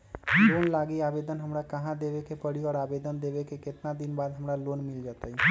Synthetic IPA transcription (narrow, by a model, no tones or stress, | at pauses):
loːnlaːɡiabed̪ənɦəmɾakəɦãd̪ebekepəɽiɔːɾabed̪ənd̪ebekekɪt̪nad̪inbaːd̪ɦəmɾaloːnmɪld͡ʒat̪aɦi